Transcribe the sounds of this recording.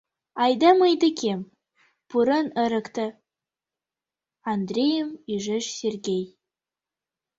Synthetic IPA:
ɑjd̪ɑmɯjd̪əkʲʰem | puɾənə̆ɾə̆kt̪ə̆ | and̪rʲejəmiʒɘʃsʲerɡʲej

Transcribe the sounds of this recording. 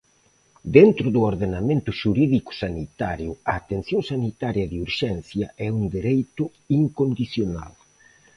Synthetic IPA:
d̪ent̪ɾʊðʊoɾðenamẽnt̪ʊʃuɾiðikʊ̥sanit̪aɾjʊɐːt̪enθjoŋsanit̪aɾjɐðɪuɾʃɛnθjɐʔɛund̪eɾejt̪ʊ | iŋkond̪iθjona̰l

